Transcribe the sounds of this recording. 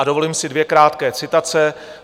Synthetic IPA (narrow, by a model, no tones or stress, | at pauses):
adovo̞liːmsɪdvjɛkɾaːt̪kɛːt͡sɪt̪at͡sɛ